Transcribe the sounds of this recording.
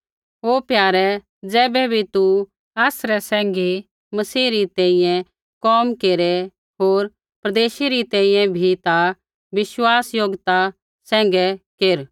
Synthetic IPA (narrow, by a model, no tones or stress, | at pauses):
ɦoːpjaːɾɛ | d͡zɛːbɛbʱit̪u | aːsɾɛsɛ̃ːŋɡi | mɐsiːɾit̪ɛ̃ːĩjɛ̃ | kɔːmkeːɾɛ | ɦoːɾ | pɾɐd̪eːʃiɾit̪ɛ̃ĩjɛ̃bʱit̪a | ʋɪʃwaːsjoɡt̪a | sɛ̃ːŋ̆ɡɛkeːɾ